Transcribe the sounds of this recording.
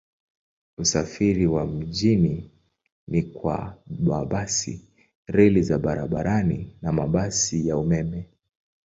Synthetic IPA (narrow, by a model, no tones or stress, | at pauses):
usafiɾiwam̩ʄini | nikwa̰ɓaɓasḭ | ɾɛlizaɓaɾaɓaɾʔaninamaɓasijaumɛmɛ